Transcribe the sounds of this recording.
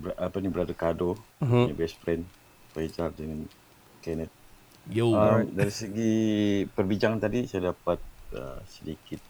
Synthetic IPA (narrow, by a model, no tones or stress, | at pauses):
bʔapanibəɾadakadoɲabɛspɾɛn | fɾed͡ʒardɛŋan | kɛnɛt̪̚ | ədaɾisəɡipərbid͡ʒaŋant̪adisajadapat̪̚ə̰sədikɪt̪̚